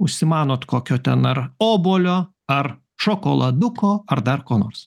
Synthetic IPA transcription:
ʊʃʲsʲɪmɑːnoːt̪koːkʲoːt̪ʲɛnɐɾoːboːlʲoː | ɐr | ʃoːkoːlˠɐd̪ʊkoːɐɾd̪ɐɾkoːno̰ːɾs

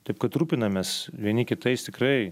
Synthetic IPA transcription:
t̪ɐɪp̚kɐt̪ɾuːpʲɪnɐmʲɛsʋʲiɛnʲɪkʲɪt̪ɐɪst̪ʲɪkɾɐɪ

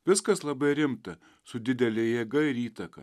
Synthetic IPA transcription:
ʋʲɪskɐslˠɐbɐɪɾʲɪmt̪ɐ | sʊd̪ʲɪd̪ʲɛlʲɛɪjeːɡɐɪɪɾiːt̪ɐkɐ̰

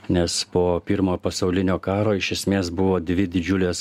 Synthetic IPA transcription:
nʲɛspoːpʲɪɾmoːpɐsɐʊlʲɪnʲoːkɑːɾoːɪʃʲɛsʲmʲeːsbʊʋoːd̪ʲʋʲɪd̪ʲɪd͡ʒʲʊlʲeːs

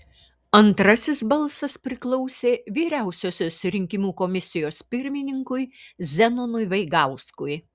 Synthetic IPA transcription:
ɐnt̪ɾɐsʲɪsbɐlˠsɐspʲɾʲɪklˠɔʊsʲeːʋʲiːɾʲæˑʊsʲoːsʲoːsɾʲɪŋʲkʲɪmuːkomʲɪsʲɪjoːspʲɪɾʲmʲɪnʲɪŋkʊɪzʲɛnʊnʊjʋɐɪɡɑˑʊskʊj

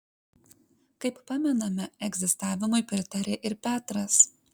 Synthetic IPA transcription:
kɐɪppɑmʲɛnɐmʲɛɛɡzʲɪst̪ɑːʋʲɪmʊɪpʲɾʲɪt̪ɐɾʲeːʔɪɾpʲæːt̪ɾɐs

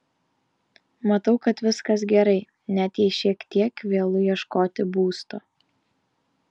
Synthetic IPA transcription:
mɐt̪ɐʊkɐt̪ʋʲɪskɐsɡʲɛɾɐɪ | nʲɛt̪jɛɪʃʲiɛkt̪ʲiɛkʋʲeːlˠʊjiɛʃkoːt̪ʲɪbuːst̪oː

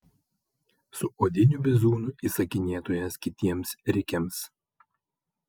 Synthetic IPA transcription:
sʊʔoːd̪ʲɪnʲubʲɪzuːnʊiːsɐkʲɪnʲeːt̪oːjɛskʲɪt̪ʲiɛmsɾʲɪkʲɛms

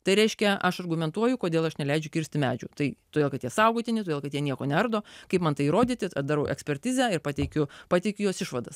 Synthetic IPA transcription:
t̪ɐɪɾʲɛɪʃʲkʲɛʔɐʃɐrɡʊmʲɛnt̪uɔjʊkoːd̪ʲeːlˠɐʃnʲɛlʲɛɪd͡ʒʲʊkʲɪɾʲsʲt̪ʲɪmʲæːd͡ʒʲʊ̰ːt̪ɐɪt̪oːdeːlˠkɐt̪jiɛsɐʊɡoːt̪ʲɪnʲɪt̪od̪eːlˠkɐt̪jiɛnʲiɛkoːnʲɛɐrd̪oːkɐɪpmɐnt̪ɐɪiɾoːd̪ʲit̪ʲɪɐd̪ɑɾɐʊʔɛ̰ksʲpʲɛɾʲt̪ʲiːzʲæɪɾpɑːt̪ʲɛɪkʲʊpɑːtʲɛɪkʲʊjoːsɪʃʋɐd̪ɐs

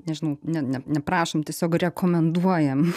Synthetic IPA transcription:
nʲɛʒʲɪnɐʊnʲɛnʲɛnʲɛpɾɑːʃomt̪ʲiɛsʲoːkrʲɛkoːmʲɛnd̪uɔjɛm

